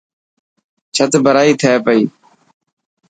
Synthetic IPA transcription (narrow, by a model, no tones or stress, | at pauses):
t͡ʃʰət̪bʱəɾaːiːt̪ʰeːpəiː